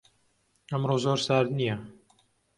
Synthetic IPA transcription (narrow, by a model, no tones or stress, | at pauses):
ɐmrozoːɾsaːɾd̪nijɐ